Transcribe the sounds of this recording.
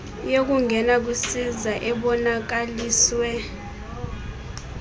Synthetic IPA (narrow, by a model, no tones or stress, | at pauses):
jok̬uŋɡʱɛnak̬usizaʔɛɓɔnak̬aliːswɛ